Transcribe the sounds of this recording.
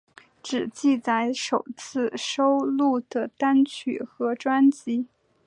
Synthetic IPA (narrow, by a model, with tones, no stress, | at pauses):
ʈ͡ʂɻ̩˨˩t͡ɕi˥˧t͡sa˥ɪʂo˨˩ʊt͡sʰɹ̩˥˩ʂo˥ʊlu˥˩d̪̥ə˩t̪a˥nt͡ɕʰy˨˩xɤ˧˥ʈ͡ʂwa˥nt͡ɕi˧˥